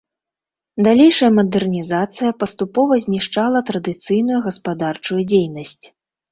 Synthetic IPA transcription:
d̪alʲejʂɐjɐmɐd̪ɛrnʲizat̪sɨjɐpɐst̪upɔvɐzʲnʲiʂt͡ʂalˠɐt̪ɾɐd̪ɨt̪sɨjnujuɣɐspad̪art͡ʂujud͡zʲejnɐsʲt͡sʲ

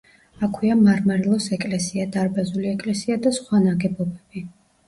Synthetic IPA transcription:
akʰwiamaɾmaɾɛlˠɔsɛkʼlɛsiad̪aɾbazuliɛkʼlɛsiad̪asχwanaɡɛbɔbɛb̥i

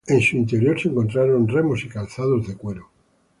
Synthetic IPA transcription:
ensuint̪eɾjo̞ɾseŋkont̪ɾaɾonremosikalθaðozðe̞kweɾo

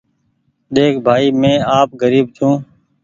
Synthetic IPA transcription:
ɗeːkʰbʱaːiːmẽːaːp̚ɡəɾiːb̚d͡ʒʰũː

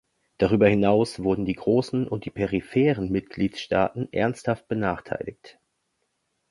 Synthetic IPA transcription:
d̥aʁ̞yːbɐhɪnaʊsv̥ʊɐdn̩d̥iːɡʁoːsn̩ʔʊ̰nt̚d̥iːpʰɛʁifɛːʁənmɪtɡ̥liːtʃta̰ːtn̩ʔɛ̰ɐnsthaft̚b̥ənaːχtʰa̰ɪlɪkt

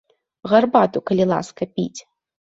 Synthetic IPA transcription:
ɣɐrbat̪ukɐlʲilˠa̰skɐpʲḭt͡sʲ

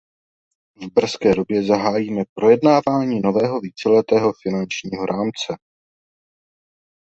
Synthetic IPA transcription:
vbr̩skɛːdo̞bjɛzaɦaːjiːmɛpɾo̞jɛdnaːvaːɲiːno̞vɛːɦo̞viːt͡sɛlɛt̪ɛːɦo̞fɪnant͡ʃɲiːɦo̞ɾʔaːmt͡sɛ

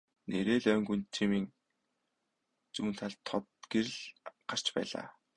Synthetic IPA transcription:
neɾeːɮœːŋɡunt̪ʰimiːŋ | t͡suːn̥t̪ʰaɮt̪ʰːɔt̪ɡ̥eɾɘ̆ɮɢ̥ar̥t͡ɕpæ̰ːɮa̰ː

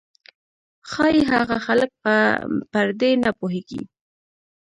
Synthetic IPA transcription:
xɑjeɦaɣaxalək̚pəpaɾd̪enapoɦeɡḭ

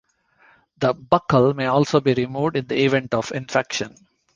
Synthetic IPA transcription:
d̪əbʌkəlmeːɔːlsoːbiːɾimuːʋɖɪ̃nd̪əɪʋɛ̃ɳʈɔʋɪ̃nfɛkʃə̃n

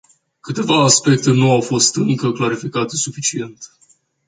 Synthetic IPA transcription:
kɨt̪e̞vaːspe̞k̚t̪e̞nuawfo̞st̪ɨŋkəklaɾifikat̪e̞sufit͡ʃie̞nt̪

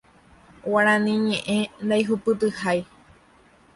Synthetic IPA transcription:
waɾ̃ãnĩɲẽʔẽnd̪ajɦupɨt̪ɨhaj

